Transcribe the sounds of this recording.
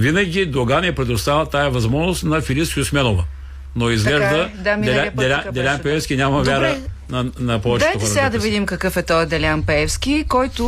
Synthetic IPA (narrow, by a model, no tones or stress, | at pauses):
vinɐɡʲid̪oɡanɛpɾɛd̪ʊst̪avət̪aɛvɐzmɔʒnost̪nɐfiliskʲjʊsmɛnovə | noizɡlɛʒd̪əd̪ad̪ɛad̪ɛlʲad̪ɛlʲanpɛɛfskʲinʲamɐvjaɾə | nɐnɐpɔvɛt͡ʃd̪ɛatj̪ot̪sɛɡad̪ɐvid̪imkɐkɤfɛt̪ɔjd̪ɛlʲanpɛɛfskʲikɔjt̪ʊ